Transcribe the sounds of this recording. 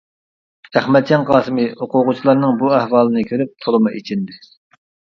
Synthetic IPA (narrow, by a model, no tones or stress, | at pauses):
æχmɛt̪̚d͡ʒɑnqʰɑːsɨmɨoqʊʁʊt͡ʃʰilˠɑɾnɨŋbuæhwɑːlˠɨnɨkʲʰøɾyp̚t̪ʰolˠɨmɨʔit͡ʃʰind̪ɪ